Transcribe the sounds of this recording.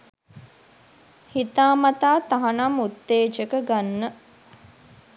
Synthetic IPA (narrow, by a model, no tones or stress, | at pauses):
hit̪aːmɐt̪aːt̪aɦanamut̪ːeːd͡ʒəkəɡanːə